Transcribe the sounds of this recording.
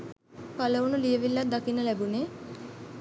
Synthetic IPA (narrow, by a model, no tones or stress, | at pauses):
kɐləʋunulijeʋilːad̪akinəlɛbune